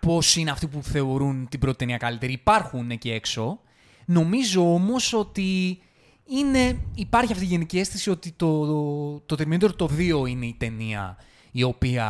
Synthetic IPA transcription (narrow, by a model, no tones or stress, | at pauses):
po̞sineɐft̪ipuθe̞o̞ɾunt̪ibɾo̞t̪it̪eniɐkalit̪e̞ɾiːpɐɾxunecee̞kso̞ | no̞mizo̞o̞mo̞so̞t̪i | ine̞ipɐɾçiɐft̪iʝe̞nicie̞st̪esio̞t̪it̪o̞t̪ot̪eɾminot̪eɾt̪o̞ðio̞ine̞it̪e̞niɐ̰ | io̞piɐ